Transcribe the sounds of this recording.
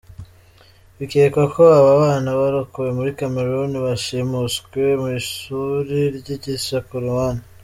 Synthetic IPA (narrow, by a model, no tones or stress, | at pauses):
βikeːkwakʰoaβaβaːnaβaɾukuwemuɾikameɾoniβaʃimusɡwemuiʃuɾiɾɟiɟisakuɾuwana